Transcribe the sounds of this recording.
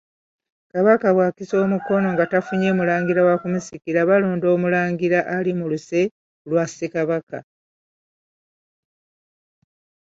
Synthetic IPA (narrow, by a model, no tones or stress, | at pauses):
kaβakaβwakiso̞ːmuko̞no̞ŋɡatafuɲe̞ːmulaːŋɡiɾawakumusikiɾaβaloːndo̞ːmulaːŋɡiɾaʔalimuluse̞ | lwasekaβaka̰